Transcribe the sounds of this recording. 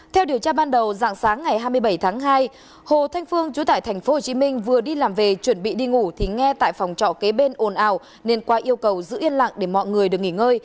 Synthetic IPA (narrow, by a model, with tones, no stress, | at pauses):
t̪ʰɛ˧wɗi˨˩əwt͡ɕaː˧ɓaː˧nɗə˨˩wza̰ː˧˨ŋsaː˨˦ŋːa˨˩jɦaː˧jmɨ˧əjɓə˧˩jt̪ʰaː˨˦ŋɦaː˧j | ho˨t̪ʰa˧jŋ̟fɨ˧əŋt͡ɕu˨˦t̪a̰ː˧˨jt̪ʰa˨˩jŋ̟fo˨˦ho˨˩t͡ɕi˨˦mï˧ŋ̟vɨ˨˩əɗi˧laː˨˩mve˨˩t͡ɕwə˧˩nɓḭ˧˨ɗi˧ŋu˧˩t̪ʰi˨˩ŋɛ˧t̪a̰ː˧˨jfa˨˩wŋ͡mt͡ɕɔ̰˧˨ke˨˦ɓe˧nʔo˨˩nʔaː˧˩w | ne˧nkwaː˨˦ʔi˧əwkə˨˩wzɨ̰˧˥ʔi˧ənla̰ː˧˨ŋɗe˧˩mɔ̰˧˨jŋɨ˨˩əjɗɨ˨˩ək̚ŋi˧˩ŋəː˧j